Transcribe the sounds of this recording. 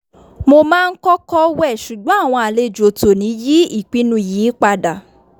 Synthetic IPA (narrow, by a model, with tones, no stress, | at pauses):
mo˧mãː˦˧n̩˦kɔ˦kɔ˦wɛ˦˨ʃu˨ɡ͡bɔ̃˨˦a˦˨w̃ɔ̃˧a˨le˧d͡ʒo˨to˨nĩ˨˦ji˦i˦˨k͡pi˨˦nũ˧˨jiː˨˦k͡pa˧da˨